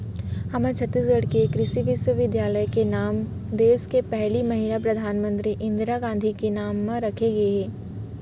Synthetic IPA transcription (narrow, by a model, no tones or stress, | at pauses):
hɐmẽt͡ʃʰɐt̪ːiːsɡɐɽkekɾɪʃiʋɪʃwəʋɪd̪jaːləjkenaːm | d̪eːskepɛɦlimɐɦilapɾɐd̪ʱaːnmə̃nt̪ɾiʔɪ̃nd̪ɾaɡãːnd̪ʱikenaːmːãɾɐkʰeɡɐeɦɛː